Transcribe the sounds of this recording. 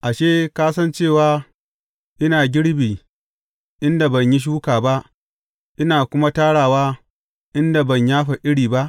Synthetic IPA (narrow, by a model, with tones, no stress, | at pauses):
ʔa˨ʃeː˦kaː˦sɐ˦nt͡ʃeː˦˨waː˦ | ʔɪ˦naː˨ɡʲɪ˦ɽbiː˨ | ʔɪ˦nda˨bɐ˨ɲji˦ʃ̬uː˦kaː˨ba˦ʔ | ʔɪ˦naː˨kʷʊ˦ma˦taː˦ɽaː˨waː˦ | ʔɪ˦nda˨bɐ˨ɲjaː˦ɸa˨ʔɪ˦ɽiː˨ba˦ʔ